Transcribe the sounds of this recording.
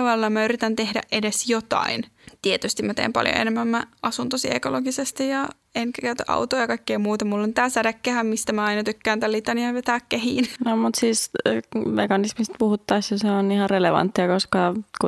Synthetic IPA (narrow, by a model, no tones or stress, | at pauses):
ʋɑllːɑmæyrit̪ænt̪ehdæ̰ʔʔedesjot̪ɑ̰in | t̪iet̪yst̪immæt̪ḛːmpɑ̰ljo̰ḛnemːæmmæɑsunt̪osiʔḛkoloɡisest̪ijjɑ | eŋkækæyt̪øʔɑ̰ut̪oːjɑkɑikːejːmuːt̪ɑmulːont̪æːsæɾækːæhæmmist̪æmæɑinɑt̪ykːæːnt̪ælit̪ɑniɑʋet̪æːkkehḭːnnomut̪siːs | mekɑnismist̪̚puhut̪ːɑisjɑseonihɑreleʋɑ̰nt̪ːiɑkoskɑku